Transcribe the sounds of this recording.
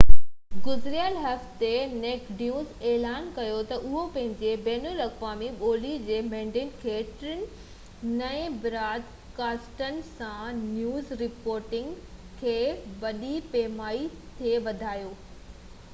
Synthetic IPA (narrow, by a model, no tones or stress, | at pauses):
ɡʊzɾijaːlɦɐft̪eneːkɖjuːzeːlaːnkɐjot̪ɐʔʊɦopɐ̃ɦɪ̃ɲd͡ʑebɛːnəlɐkʋaːmiɓoːlid͡ʑeːmẽːɳɖɪnɪ̆kʰeːʈɾɪn | nɛ̃ẽbɪɾaːd̪ | kaːsʈənɪ̆sãnjuːzɾɪpoːɾʈɪ̃ŋɡ | kʰeːʋɐɗipeːmaːi | t̪ʰeʋɐd̪ʱaːjoː